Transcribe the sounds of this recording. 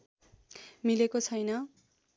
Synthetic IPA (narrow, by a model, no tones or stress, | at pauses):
milekot͡sʰʌjnʌ